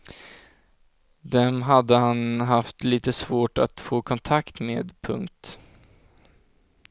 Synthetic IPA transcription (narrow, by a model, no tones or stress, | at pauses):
d̪ɛmɦad̪ːəhanɦaft̪liːt̪əsvoːʈat̪foːkʰɔnt̪ʰakt̪meːd̪pʰɵ̰ŋkt̪